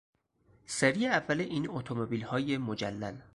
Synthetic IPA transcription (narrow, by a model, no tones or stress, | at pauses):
seɾijeævːæleʔiːnot̪ʰomobiːlhɒːjemod͡ʒælːæ̰l